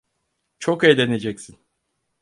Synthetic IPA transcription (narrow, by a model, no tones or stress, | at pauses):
t͡ʃʰokejd̪ene̞d͡ʒɛcsin